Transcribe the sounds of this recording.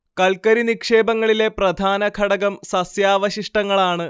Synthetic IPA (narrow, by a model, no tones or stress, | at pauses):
kɐlkɐɾinikʂe̞ːbɐŋːɐɭile̞prɐd̪ʱaːnɐkʰɐɽɐɣɐmsɐsjaːʋɐɕiʂʈɐŋːɐɭaːɳɨ